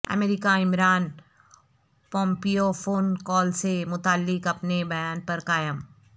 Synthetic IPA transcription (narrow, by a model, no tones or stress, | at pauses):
ɐ̰meːɾɪkaɪmɾaːn | pɔ̃ːmpijofʰoːnkɔːlsemʊt̪aːlːɪkɐpnebɐjaːnpɐɾkaːjəm